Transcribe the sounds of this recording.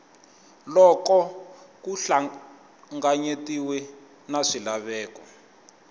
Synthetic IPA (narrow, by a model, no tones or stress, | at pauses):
lɔkɔkuɬa | ŋɡaɲetiwɛ | naʂilaβɛːkɔ